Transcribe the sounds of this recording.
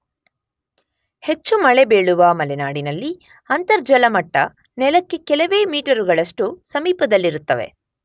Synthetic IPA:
he̞t͡ʃːumɐɭebe̞ːɭuʋɐːmɐlɛnaːɽinɐlːi | ɐnt̪ɐɾd͡ʒɐlɐmɐʈːɐ̰ | nɛlɐkːe̞kɛlɐʋeːmiːʈɐɾuɡɐɭɐʂʈusɐmiːpɐd̪ɐlːiɾut̪ːɐʋe̞̰

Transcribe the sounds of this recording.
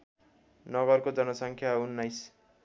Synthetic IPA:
nʌɡʌrkod͡zʌnʌsʌŋkʰjaunːajs

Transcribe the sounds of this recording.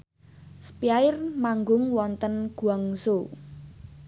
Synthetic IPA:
spiaɪrmaŋɡʊŋwɔnt̪ənɡ̥uɔŋso

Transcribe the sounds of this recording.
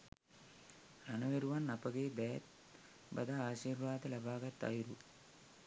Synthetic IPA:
ɾɐnɐʋeɾuʋɐnːɐpɐɡeːd̪ɐjɐt̪̚ | bɐ̰d̪ɐaːʃiːɾʋaːd̪ɐlɐbaːɡɐt̪ːɐ̰jɾu

